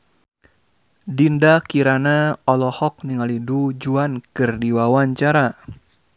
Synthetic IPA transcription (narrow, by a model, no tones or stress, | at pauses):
dindakiɾanaɔlɔhɔk̚niŋalidud͡ʒuankɨrdiwawaɲt͡ʃaɾa